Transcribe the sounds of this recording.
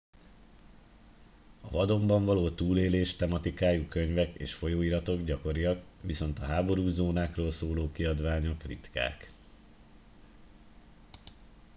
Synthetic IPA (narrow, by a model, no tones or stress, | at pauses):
ɒvɒd̪o̞mbɒɱvɒloːt̪uːleːleːʃt̪ɛmɒt̪ikaːjukøɲvɛkḛːʃfo̞joːiːɾɒt̪o̞ɡɟɒko̞ɾijɒkʋiso̞nt̪ɒɦaːbo̞ɾuːzoːnaːkroːlsoːloːkiɒd̪ʋaːɲo̞krit̪ka̰ːk